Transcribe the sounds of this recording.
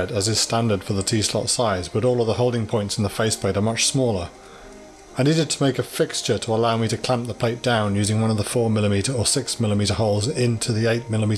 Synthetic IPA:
ɾɨzɨz̥stæ̃ndə˞d̥fə˞ðətʰislɑ̰tsaɪzb̥ʌɾɔlˠəvðəɦoʊlˠdɪ̃ŋpʰɔ̃ɪ̃ntsn̩ðəfeɪsb̥eɪɾə˞mʌt͡ʃsmɔlˠə˞ | ãɪniɾd̚tʰəmeɪkɨfɪkst͡ʃə˞ɾʰəəlaʊmiɾɨkʰl̥æ̃mp̚ðəpʰl̥eɪt̚d̥ãʊ̃njʉzɪ̃ŋwʌ̃nʌvðəfɔɹmɪlˠɨmiɾə˞əsɪksmɪlˠəmiɾə˞ɦoʊlˠzɪ̃ntʰʉðieɪt̚mɪlˠəmi

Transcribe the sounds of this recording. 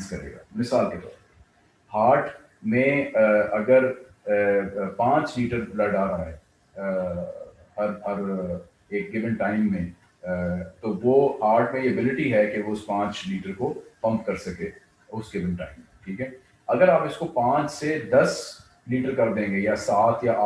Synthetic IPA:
nskɐɾḛːɡa̰ːmɪsaːlket̪ɔ̰ːɾpɐɾ | haːɾʈʰ | mẽɐɡəɾ | pãːt͡ʃliːʈəɾblɐɖaːɾaɦɛ | hɐɾɦɐɾ | eːk̚ɡɪʋə̃nʈaːɪmːẽ | t̪oʋoɦaːɾʈmẽjiɐbɪlɪʈiɦɛkeʋoɪspãːt͡ʃliːʈəɾkofɐ̃pkɐɾsɐkeː | ʊsɡɪʋə̃nʈaːɪmːẽʈʰiːkɦɛː | ɐɡəɾaːpɪskopãːt͡ʃsed̪ɐs | liːʈəɾkɐɾd̪ẽːŋɡejasaːt̪ʰjaː

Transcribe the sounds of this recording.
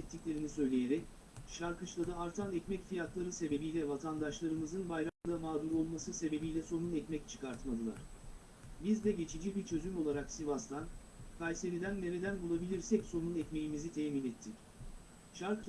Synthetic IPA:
ɛt̪ʰːiclʲe̞ɾinisø̞jlʲejeɾɛc | ʃaɾkɯt͡ʃlˠad̪aːɾt̪ʰanɛcmɛcfijat̪ʰlˠaɾɯse̞be̞bijlʲɛvat̪ʰand̪aʃlˠaɾɯmɯzɯnbajɾamd̪amaːd̪uɾo̞lˠmasɯse̞be̞bijlʲɛso̞nunɛcmɛct͡ʃʰɯ̥kʰaɾt̪mad̪ɯlˠa̰ɾ̥ | bizd̪ɛɟe̞t͡ʃʰid͡ʒibiɾt͡ʃʰø̞zymo̞lˠaɾaksivast̪ʰan | kʰajse̞ɾid̪ænːʲe̞ɾed̪ænbulˠabilʲiɾsɛcso̞nunɛcme̞jimizit̪ʰɛːminɛt̪ʰːic | ʃaɾk

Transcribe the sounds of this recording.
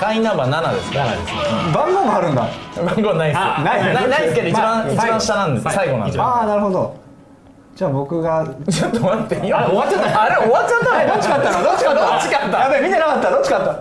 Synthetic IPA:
kãĩnãmbanana̰d̪e̞̰sɨ̥ka̰d̪esebãŋɡõmaaɾɯ̟̃nd̪a̰bãŋɡonaisknainaisɨke̞d̪oit͡ɕibãist͡ɕibãɕi̥t̪anãnd̪e̞sɨsaiɡonã̰n̰aːnaɾɯ̟ho̞d̪o̞ | d͡ʑaːbo̞kɯ̟ɡad͡ʑt̪ːoat̪ːeioβat̪ːeaaɾeoβat̪ːt͡ɕat̪ːand̪ot͡ɕːikat̪ːaod̪ot͡ɕiaot͡ɕːikat̪ːajapːemʲit̪enakat̪ːad̪ot͡ɕikat̪ːa

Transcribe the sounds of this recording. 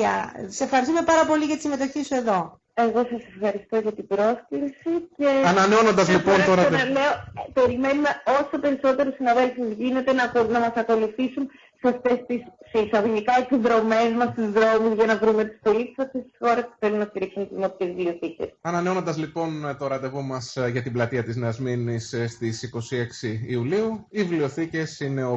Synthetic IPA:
ɐ̰sefxɐɾis̬t̪ume̞pɐɾɐpo̞liʝɐt̪isime̞t̪o̞çisue̞ðo̞ | e̞ɣo̞sɐse̞fxɐɾist̪o̞ʝɐt̪ibɾo̞skɾsice̞ɐnɐneo̞nond̪ɐzlipo̞nt̪oɾɐɐleope̞ɾime̞nume̞o̞so̞pe̞ɾiso̞t̪e̞ɾusinɐðelfizʝine̞t̪e̞nɐnɐmɐsɐko̞luθisun | seɐft̪e̞st̪issesɐðoʝikɐesizðɾo̞me̞zmɐst̪izðɾo̞mizʝɐnɐvɾumet̪i̥st̪olit̪i̥sɐft̪est̪i̥sxo̞ɾe̞spu̥θe̞lunɐst̪iɾiksunt̪inop̪̚t̪evivlio̞θicḛsɐnɐneonond̪ɐzlipo̞nt̪oɾɐd̪e̞vomɐsʝɐt̪iblɐt̪iɐt̪izneɐzminisst̪isiko̞sie̞ksiːuliuivlio̞θice̞sine̞o

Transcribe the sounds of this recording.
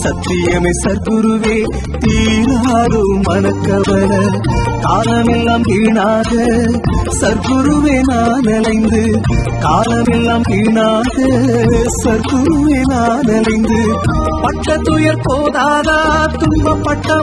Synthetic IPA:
sɐt̪ːɪjɐmɛsɐɾkʊɾɯʋeː | t̪iːɾaːðɯmɐnɐkːɐʋɐnɐkaːlɐmɛlːaːmpiːɳaːɣɐ | sɐɾkʊɾɯʋeːnaːnɪlɐɪnd̪ɯ | kaːlɐmɛlːaːmpiːɳaːɣɐsɐɾkʊɾɯʋeːnaːnɪlɐɪnd̪ɯpɐʈːɐt̪ːʊjɐɾpoːðaːðaːt̪ʊmbɐpːɐʈːɐ

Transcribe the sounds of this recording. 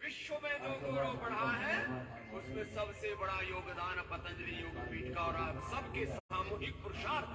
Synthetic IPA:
ʋɪʃʋəmẽːd̪oːɡuɾõbɐɽ̤aɦɛː | ʊsmẽsɐbsebɐɽajoːɡd̪aːnpɐt̪ə̃nd̪ɾijoːɡpiːʈkaɔːɾasɐbkesaːmoːɦɪk̚pɾʊʃaːd̪

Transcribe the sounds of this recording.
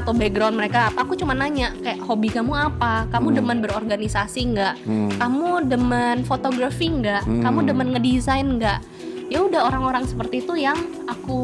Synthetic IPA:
at̪awbɛɡɾawnməɾekapaːkut͡ʃumanaɲaʔkajaʔhobikamuapakamudəmanbəɾorɡanisasiŋɡaʔkamudəmanfot̪oɡɾafiŋɡaʔkamudəmənŋədizajnŋɡaʔ | jaudaɦoɾaŋoɾaŋsə̥pərt̪iːt̪ujaŋ | aku

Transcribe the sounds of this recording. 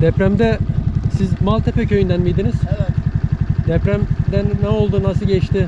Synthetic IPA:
d̪ɛpɾæmd̪ɛsizmalˠt̪ʰepɛcʰøjynd̪ænmijd̪iniz̥ | d̪ɛpɾæmd̪ɛnːɛo̞lˠd̪unasɯɟɛt͡ʃt̪ɪ

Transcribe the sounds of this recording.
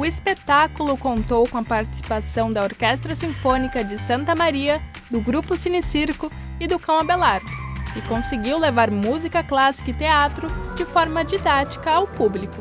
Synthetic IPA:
ʊespet̪akulʊkõnt̪owkõɐpaɾt͡ʃi̥si̥pasɐ̃w̃d̪ɐoɾkɛst̪ɾɐsĩfõnikɐd͡ʒɪsɐ̃nt̪ɐmaɾiɐ | d̪ʊɡɾupʊsinisiɾkʊ | ɪd̪ʊkɐ̃w̃ɐbelaɾɪkõseɡiwlevaɾmuzikɐklasi̥kɐɪt̪eat̪ɾʊd͡ʒɪfɔɾmɐd͡ʒid̪at͡ʃi̥kɐawpublikʊ

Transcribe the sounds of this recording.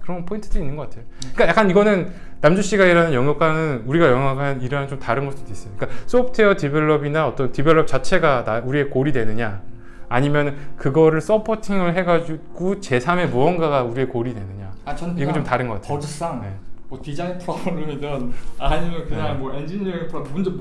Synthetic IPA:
kɯɾʌnpʰointʰɯdoinːɯnɡʌk͈atʰe̞joik͈ajak͈aniɡʌnɯn | namd͡ʑuɕ͈iɡaiɾanɯnjʌŋjʌk͈anɯnuɾiɡajʌŋaɡʰaniɾannt͡ɕomtaɾɯnɡʌsʰt͈od̥͈ois͈ʌjoɲik͈as͈opʰtʰeʌtibeɭːʌbinaʌt͈ʌntibeɭːʌp̚t͡ɕat͡ɕʰe̞ɡanauɾie̞koɾidwe̞nɯɲaː | ɲimjʌnkɯɡʌɾɯɭs͈ʌpʰʌtʰiŋɯɭɦe̞ɡad͡ʑuɡ̥ut͡ɕe̞sʰame̞muʌnɡaɡauɾie̞koɾidwe̞nɯɲaat͡ɕʰiɡot͡ɕomtaɾɯnɡʌk͈atʰes͈aŋne̞mʌtid͡ʑaintʰɾʌbɾɯmidʌnɲimjʌnkɯɲaŋmʌend͡ʑinʌepʰɾʌbond͡ʑom

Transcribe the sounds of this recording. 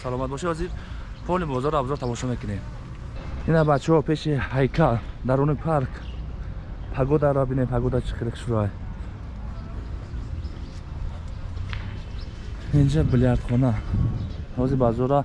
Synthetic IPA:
salɔmat̪bɔʃeɔziɾ | fʰɔnibɔzɔɾabzɔɾt̪ʰamɔʃɔmekənem | inabat͡ʃɔpʰeʃihajkʰad̪aɾunipʰaɾkʰ | pʰaɡɔd̪aɾabinempʰaɡɔd̪at͡ʃʰi̥χeɾiqʰʃuɾaj | ind͡ʒabiliaɾt̪χɔna | hɔzibazɔɾa

